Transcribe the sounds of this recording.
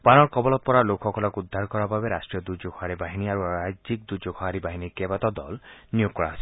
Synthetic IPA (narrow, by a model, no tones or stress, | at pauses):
panɔɾkɔbɔlɔt̪̚pɔɾalokʰxɔkʰɔlɔkud̪ʱːaɾkɔɾababeɾasʈɾijɔd̪ud͡ʒoɡʰɔɦaɾibaɦiniaɾuad͡ʒik̚d̪ud͡ʒoɡʰɔɦaɾibaɦinikebat̪ɔd̪ɔ̰lnijoɡ̚kɔɽaɦosi